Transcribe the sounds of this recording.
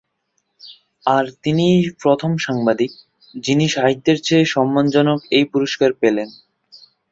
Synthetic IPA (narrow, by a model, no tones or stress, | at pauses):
aɾt̪inipɾot̪ʰomʃaŋbad̪ik̚ | d͡ʑiniʃaɦit̪ːeɾt͡ɕʰeeʃɔmːand͡ʑɔnokejpuɾoʃkaɾpelen